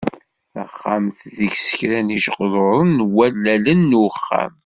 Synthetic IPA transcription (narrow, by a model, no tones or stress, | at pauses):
ə̰χːamθðəçsə̥çɾæniʒqðoɾˤənwælːælənːuəχːa̰m